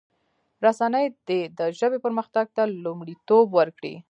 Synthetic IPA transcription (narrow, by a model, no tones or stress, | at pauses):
ɾasanəjd̪̥ed̪əʒəbepəɾməxt̪aɡ̚t̪alumɽit̪obwəɾkɽḭ